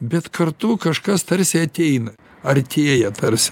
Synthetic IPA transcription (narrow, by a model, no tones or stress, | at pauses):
bʲɛt̪kɐrt̪uːkɐʃkɐst̪ɐɾʲsʲɪɐt̪ʲɛɪnɐ | ɐrʲt̪ʲeːjɛt̪ɐɾʲsʲɪ̥